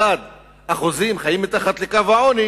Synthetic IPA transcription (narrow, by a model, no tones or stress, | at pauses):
ad̪ | haχuzimχajimet̪aχat̪lekavaʕoni